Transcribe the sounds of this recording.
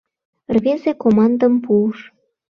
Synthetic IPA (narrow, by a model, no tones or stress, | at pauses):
rβʲezekomɑnd̪əmpuːʃ